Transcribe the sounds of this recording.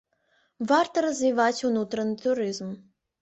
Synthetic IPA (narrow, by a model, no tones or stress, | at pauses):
vart̪ɐɾɐzʲvʲivat͡sʲunut̪ɾɐnɨt̪uɾɨzm